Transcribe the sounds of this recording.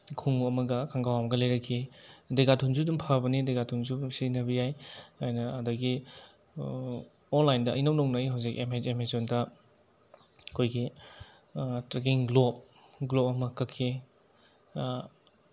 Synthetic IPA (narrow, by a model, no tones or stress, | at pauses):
kʰuŋɐmɐɡɐkʰaŋɡawɐmɐɡɐlɐjɾɐkʰːideɡatʰunzudumpʰabɐnidejɡatʰuŋzusinɐbijajajnɐːdɐɡi | onlajndɐʔɐ̰jnɐwnoŋnɐjɦawzikemeemazondɐ | ɐkʰojɡi | tɾekiŋɡlop̚ | ɡlop̚ɐmɐkɐkʰːi